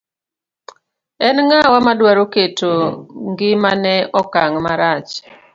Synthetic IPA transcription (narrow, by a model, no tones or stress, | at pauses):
ɛnŋawamadwaɾoketoŋɡɪmanɛɔkaŋmaɾat͡ʃ